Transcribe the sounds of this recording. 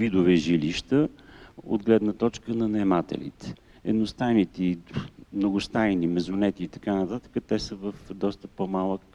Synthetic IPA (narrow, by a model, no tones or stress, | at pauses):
vid̪ʊvɛʒiliʃt̪əo̰d̪ɡlɛd̪nət̪ɔt͡ʃkənɐnɐɛmat̪ɛ̰lḭt̪ɛ̥ | ɛd̪nost̪ajnit̪ɛimnoɡʊst̪ajnimɛzʊnɛt̪iːt̪ɐ̥kanɐt̪at̪ə̥kət̪ɛsəvəfd̪ɔst̪əpomalˠək̚